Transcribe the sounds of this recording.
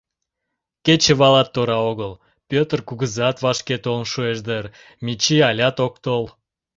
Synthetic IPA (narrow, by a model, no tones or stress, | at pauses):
kʲet͡ʃevɑlˠɑt̪ːoɾɑoɣəlˠ | pʲøt̪rkuɡɨzɑt̪vɑʃkʲet̪olˠnʃueʒd̪ər | mʲit͡ʃiɑlʲɑt̪ok̚t̪olˠ